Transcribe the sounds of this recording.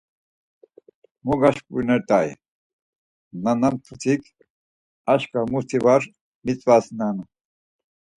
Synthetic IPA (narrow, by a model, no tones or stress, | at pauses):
muɡaʃkunɛɾt̪ʼaj | nanamt̪ʰut͡sʰikʰ | aʃkamuɾt̪ʰibaɾ | mit͡sʼwasnanu